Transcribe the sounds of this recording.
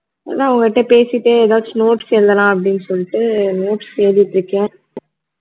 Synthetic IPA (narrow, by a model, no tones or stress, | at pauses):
ɐnãːɐʋɐŋɡɐɪʈːɐpeːsɪʈːɯɛðaːʋðnoːʈsɛld̪ɐlãːɐp̬ːɐɽɪnːɯsɔlːɪʈːɯnoːʈsseːɾɪʈːɪɾɯkːɛ̃